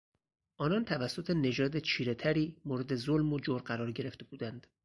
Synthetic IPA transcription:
ʔɒːnɒnt̪ʰævæsːo̞t̪ʰene̞d͡ʒɒːd̪et͡ʃʰiːɾe̞t̪ʰæɾiːmoːɾe̞d̪e̞zolmod͡ʒoɾɢæɾɒːɾɟe̞ɾe̞ft̪e̞buːd̪ænd̪̥

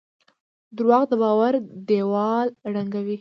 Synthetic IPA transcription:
d̪ɾwɑqd̪əbɑwaɾd̪ewɑlɽaŋɡawi

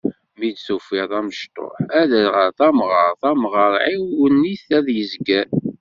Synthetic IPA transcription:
mid̪sufiðˤæməʃt̪ˤo̰ħæðælʁəɾθæmʁəɾˤθæmʁəɾˤʕiwənːiθæðjəzɡæ

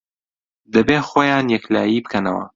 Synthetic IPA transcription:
d̪ɐbeːxoːjaːnjɛkla̰ːjiːbɨkʰɐnɐ̰wɐ̰

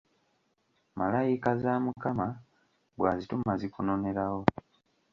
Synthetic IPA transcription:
malajikazaːmukama | bwaːzitumazikuno̞ne̞ɾawo̞

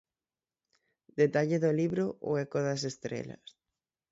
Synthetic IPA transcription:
d̪et̪aʎeðoliβɾoʔo̰ɛkoðasest̪ɾḛlɐ̰s

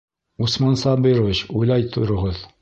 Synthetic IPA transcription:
usmɑnsɑbiɾoviɕujlˠɑjt̪ʰŏɾŏʁoð

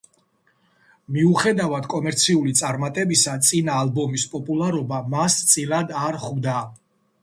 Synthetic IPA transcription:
miuχɛd̪avad̪kʼɔmɛɾt̪sʰiulit̪sʼaɾmat̪ʼɛbisat̪sʼinaːlˠbɔmispʼɔpʼulˠaɾɔbamast̪sʼilad̪aɾχvd̪a

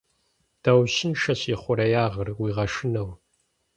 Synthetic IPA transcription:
d̥ɐwɕɪnʃɐɕiːχʷʊɾɐjaːʁərwiːʁɐʂɪnɐw

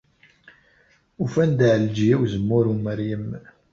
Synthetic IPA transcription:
ufænd̪ʕld͡ʒijæwzəmːʊɾuməɾjəm

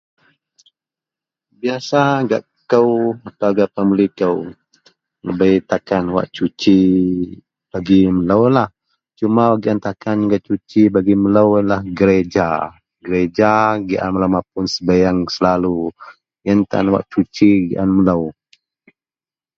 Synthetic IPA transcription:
biasaɡaʔ | kəwat̪awɡaʔpəməlikəw | nəbajt̪akanwa̰ʔt͡ʃut͡ʃi | b̥aɡimələwlah | t͡ʃumawaɡiʔant̪akanɡaʔt͡ʃut͡ʃibaɡimələwəlahɡəɾed͡ʒa | ɡəɾed͡ʒaɡiʔa̰nməlawmapʊnsəbajaŋsəlalu | jənt̪a̰nwa̰ʔt͡ʃut͡ʃiɡḭʔanmələw

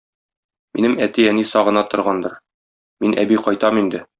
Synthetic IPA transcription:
mḭnɘmæt̪iænisɒʁɤ̆nɑt̪ŏɾʁɑnd̪ɤɾ | minʔæ̰biqɒjt̪ɑmind̪ɘ

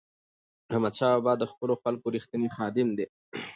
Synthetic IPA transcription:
hamad̪ʃaːabɑːd̪ːəxpəloxalkoɾixt̪ənixɑːd̪ɪmd̪e

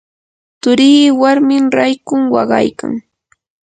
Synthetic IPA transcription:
t̪ʊɾiːwaɾmɪmɾajkʊŋwɑ̰ɢɑ̰jka̰ŋ

